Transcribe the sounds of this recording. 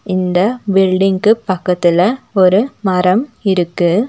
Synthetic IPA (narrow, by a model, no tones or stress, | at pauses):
ɪnd̪ɐbɪlɖɪŋkɯpɐkːɐt̪ːɪlɐɔɾɯmɐɾɐmɪɾɯkːɯ